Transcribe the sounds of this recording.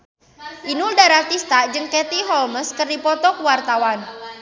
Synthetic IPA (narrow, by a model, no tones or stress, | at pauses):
ʔinuldaɾat̪ist̪ad͡ʒɨŋkɛt̪iɦɔlməskərdipɔt̪ɔkwart̪awan